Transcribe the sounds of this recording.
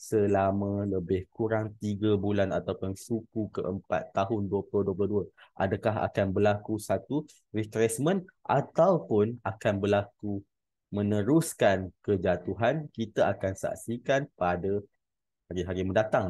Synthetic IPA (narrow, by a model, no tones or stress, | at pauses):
səlamãləbɪhkuɾaŋt̪iɡabulanat̪awpʊnsukukəʔəmpa̰t̪ːaɦʊnduəplʊhduəp̬lʊhduaʔa̰dakaɦa̰kanbəlakusat̪u | rikɾɛsmə̃nʔa̰t̪awpʊnakanbəlaku | mə̃nəɾʊskankəd͡ʒat̪uɦankit̪aakansa̰ʔsikanpada | haɾiɦaɾiməndat̪aŋ